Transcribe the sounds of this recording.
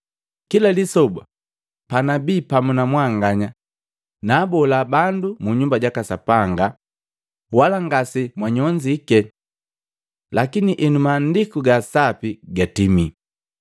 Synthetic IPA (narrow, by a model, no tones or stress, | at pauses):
kilalisɔba̰ | panabiːpamunamwaŋɡaɲa | naːbɔlabandumuɲumbaɟakasapaŋɡa | walaŋɡasimwaɲɔɲd͡ʒikɛ | lakiniʔɛnumaːndikuɡasapiɡatimi